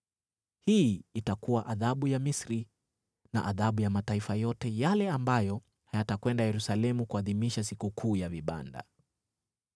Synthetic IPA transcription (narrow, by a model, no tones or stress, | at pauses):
hiːtakuwaʔaðaɓujamisɾi | na̰ʔaðaɓujamataifajɔtɛjalɛambajɔ | hajatakwɛndajɛɾusalɛmukuaðimiʃas̬ikukʰuːjaviɓa̰nda̰